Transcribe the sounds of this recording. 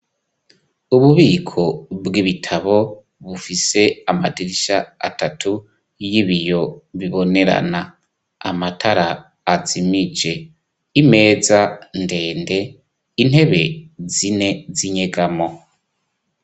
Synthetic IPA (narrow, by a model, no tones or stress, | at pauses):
uβuβiːkʰo̞bɡiβitʰaβo̞ | βufise̞amadiɾiʃaa̰tatʰu | jiβijo̞βiβo̞ne̞ɾa̰na | amatʰaɾaː | zimid͡ʒe̞ | ime̞ːzande̞ːnde̞ | in̥he̞βe̞zine̞ziɲe̞ɡamo̞